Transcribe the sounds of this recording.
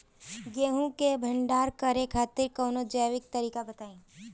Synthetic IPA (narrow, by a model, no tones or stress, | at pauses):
ɡeːɦũkebʱɐ̃ɳɖaːɾkəɾekʰaːt̪ɪɾkɐːnod͡ʒəːʋɪk̚t̪ɐɾiːkabɐt̪aːĩː